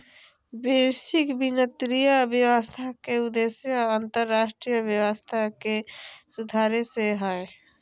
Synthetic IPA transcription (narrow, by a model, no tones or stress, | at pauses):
besikbinət̪ɾijəbjəwəst̪ʰakeud̪esjəənt̪əɾːaːsʈɾijəbjəwəst̪ʰakesud̪ʱaɾeseɦəe